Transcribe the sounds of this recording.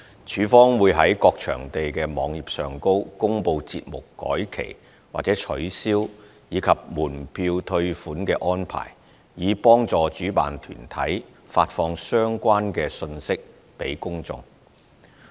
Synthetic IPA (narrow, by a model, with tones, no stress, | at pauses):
t͡ʃʰyː˨˥fɔː˥ŋwuː˨˧jɦɐ˨˥jkɔː˧k̚t͡ʃʰœ̰ː˨˩ŋt̪e˨jkɛː˧mɔː˨˧ŋjiː˨p̚sœː˨ŋko˥wkʊ˥ŋpo˧wt͡sḭː˧t̚mʊ˨kːɔ̰ː˨˥jkʰḛ˨˩j | waː˨t̚t͡sɛː˨˥t͡ʃʰɵ˨˥ɥsiː˥w | jiː˨˧kʰɐ˨p̚muː˨˩npʰiː˧wt̪ʰɵ˧ɥfuː˨˥nkɛː˧ʔɔː˥npʰa̰ː˨˩j | jiː˨˧pɔː˥ŋt͡sɔː˨t͡ʃyː˨˥pa̰ː˨nt̪ʰy̰ː˨˩nt̪ʰɐ̰˨˥jfaː˧t̚fɔː˧ŋsœː˥ŋkʷaː˥nkɛː˧sɵ˧nsɪ˥k̚ | pe˨˥jkʊ˥ŋt͡sʊ̰˧ŋ